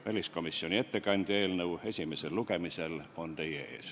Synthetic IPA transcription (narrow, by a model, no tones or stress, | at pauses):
vælʲisko̞misːio̞nʲie̞t̪ːe̞kɑnʲd̪̥ʲe̞ːlnɤwe̞sʲime̞se̞lːuke̞mise̞lo̞nt̪e̞jee̞̰ːs